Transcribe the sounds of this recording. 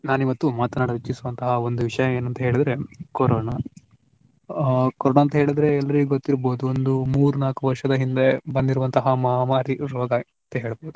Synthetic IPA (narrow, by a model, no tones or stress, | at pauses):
naːniʋɐt̪ːumaːt̪ɐnaːɽɐʋit͡ʃːisuʋɐnt̪ɐɦɐond̪uʋiʂɐjɐeːnɐnt̪ɐɦeːɭid̪ɾe̞koɾoːna | koɾoːnaːnt̪ɐɦe̞ːɭid̪ɾe̞ɛlːɐɾiɡuɡot̪ːiɾboːd̪uond̪umuːɾunaːkuʋɐɾʂɐd̪ɐɦind̪e̞bɐnd̪iɾuʋɐnt̪ɐɦɐmɐɦaːmaːɾiɾɔːɡɐ | nt̪ɐɦeːɭboːd̪u